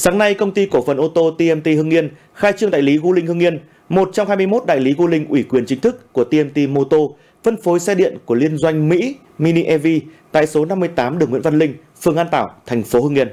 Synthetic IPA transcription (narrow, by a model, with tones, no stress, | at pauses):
saː˨˦ŋna˧jkə˧wŋ͡mt̪i˧ko˧˩fə˨˩nʔo˧t̪o˧t̪i˧ʔɛ˧mt̪i˧hɨ˧ŋi˧ən | xaː˧jt͡ɕɨ˧əŋɗa̰ː˧˨jli˨˦ɣu˧lï˧ŋ̟hɨ˧ŋi˧ən | mo˨˩t̚t͡ɕa˧ŋ͡mhaː˧jmɨ˧jmo˦˥t̚ɗa̰ː˧˨jli˨˦ɣu˧lï˧ŋ̟ʔwi˧˩kwi˨˩ənt͡ɕï˨˦ŋ̟t̪ʰɨ˦˥kːu˧˩ət̪i˧ʔɛ˧mt̪i˧mo˧t̪o˧ | fə˧nfo˨˦jsɛ˧ɗḭ˧˨ənku˧˩əli˧ənzwa˧jŋ̟mḭ˧˥ | mi˧ni˧ʔɛ˧vi˧t̪a̰ː˧˨jso˨˦na˧mːɨ˧əjt̪aː˨˦mɗɨ˨˩əŋw̰və˧nlï˧ŋ̟ | fɨ˨˧˩əŋʔaː˧nt̪aː˧˩wt̪ʰɛ˨˩jŋ̟fo˨˦hɨ˧ŋi˧ən